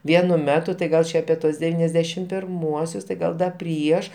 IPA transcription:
ˈʋʲiɛnʊ ˈmʲæːtʊ tɐɪ ˈɡɐlˠ t͡ʃʲɛ ɐpʲiɛ ˈtuɔs dʲɛˈʋʲiːnʲɛzʲˌdʲæːʃʲɪm pʲɪrˈmuɔsʲʊs tɐɪ ˈɡɐlˠ dɐ ˈpʲrʲiɛʃ

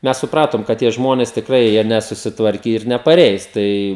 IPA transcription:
ˈmʲɛs sʊˈprɑːtoːm kɐt ˈtʲiɛ ˈʒmoːnʲeːs tʲɪkˈrɐɪ ˈjiɛ nʲɛsʊsʲɪˈtʋɐrʲkʲeː ɪr nʲɛpɐˈrʲɛɪs ˈtɐɪ

